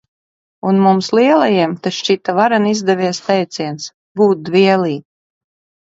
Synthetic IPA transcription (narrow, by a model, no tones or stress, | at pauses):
unmumsliɛlˠajiɛmt̪aʃt͡ʃit̪avaɾanizd̪ɛvʲiɛst̪ɛjt̪siɛns | buːt̪̚d̪viɛlˠiː